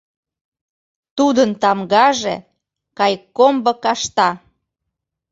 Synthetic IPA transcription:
t̪ud̪ənt̪ɑmɡɑʒḛ | kɑjkombɤ̆kɑʃt̪ɑ

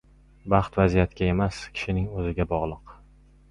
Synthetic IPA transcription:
bɑχt̪vazijat̪kʲae̞maskʲʰɪ̥ʃɪnɪŋɵzɪɡʲabɒʁlˠɨq

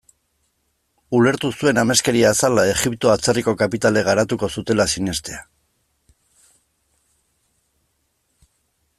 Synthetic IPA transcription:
ule̞ɾt̪usue̞name̞ske̞ɾiaːsalae̞ɣipt̪oat͡seriko̞kapit̪ale̞ɣ̞aɾat̪uko̞sut̪e̞lasine̞st̪e̞a

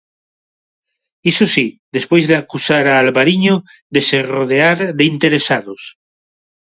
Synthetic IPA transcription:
isosiðespojzðeakusaɾaːlβaɾiɲo | ðeseroð̞eaɾðeint̪eɾesaðos

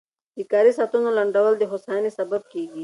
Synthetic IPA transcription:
d̪̥ikaːɾisaːt̪unolɐɳɖɐwɐld̪eɦosaːnisɐbab̚kiːɡi

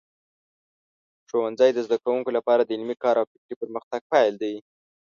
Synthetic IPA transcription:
ʂowanzajd̪əzd̪akɾawuŋkolapɑɾad̪əɪlmikɑɾawfɪkɾipəɾməxt̪aɡ̥̚pajld̪aj

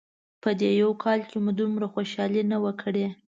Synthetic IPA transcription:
pəd̪ejawkʰɑlkemud̪umɾaxoʃɑlenawəkʰəɽe

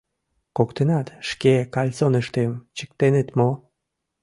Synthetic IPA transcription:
kokt̪enɑt̪ʃkekɑlʲt͡sonəʃt̪emt͡ɕə̥k̚t̪enet̪mo

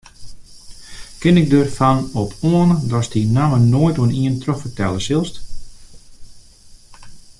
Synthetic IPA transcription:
kɪnɪk̚dərfanɔpʰoənədɔsdinamənoːjtuəniəntroxfərtɛlˠəsɪlˠst

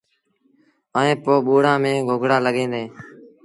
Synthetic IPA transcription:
əẽːpoːɓuːɽãːmẽːɡʱoɡʱɽaːləɠẽːnd̪eː

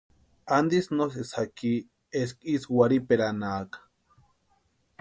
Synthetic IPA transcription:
and̪isnosesaki | eskiswaɾipeɾanaːkḁ

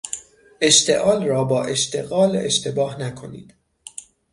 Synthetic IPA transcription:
ʔe̞ʃt̪ʰe̞̰ʔɒːlrɒːbɒːʔe̞ʃt̪ʰe̞̰ɣɒːlḛʃt̪ʰe̞bɒːhnækʰo̞nḭːd̪̥

